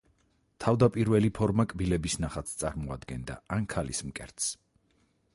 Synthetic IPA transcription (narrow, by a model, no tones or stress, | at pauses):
t̪ʰavd̪apʼiɾvɛlipʰɔɾmakʼbilɛbisnaχat̪sʰt̪sʼa̰ɾmɔa̰d̪ɡɛnd̪a̰ankʰalismkʼɛ̰ɾt̪s